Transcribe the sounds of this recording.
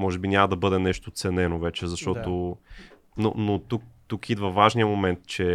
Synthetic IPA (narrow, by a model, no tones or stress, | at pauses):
mɔʒɛbinʲamɐd̪ɐbɤd̪ɛnɛʃt̪ot̪sɛnɛnovɛt͡ʃɛzɐʃt̪ɔt̪o | no̰not̪uk̚t̪ukid̪vɐvaʒnijəmomɛnt̪t͡ʃɛ